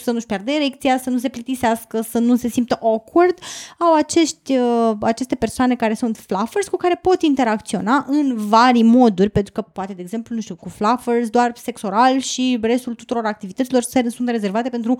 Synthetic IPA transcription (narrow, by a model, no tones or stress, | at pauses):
sənuʃpjerd̪eiɾe̞kt̪sijasənus̬e̞plət̪iseaskəsənuse̞simt̪əʔokord̪awat͡ʃe̞ʃt̪ʲəat͡ʃe̞st̪e̞persoanekaɾe̞sunt̪flafərsʲkukaɾe̞po̞t̪int̪e̞ɾakt̪sio̞naʔɨnvaɾimo̞d̪urʲpent̪ɾukəpoat̪eeːɡz̥e̞mplunuʃt̪ukuflafersd̪oarse̞kso̞ɾalʃire̞st̪ult̪ut̪uɾo̞ɾak̚t̪ivit̪ət̪silo̞rsəɾesunt̪re̞ze̞rvat̪e̞pe̞nt̪ɾu